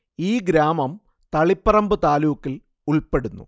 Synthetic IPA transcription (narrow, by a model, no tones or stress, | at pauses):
iːɡɾaːmɐm | t̪ɐɭipːɐrɐmbɨt̪aːluːkːil | uɭpe̞ɽunːṵ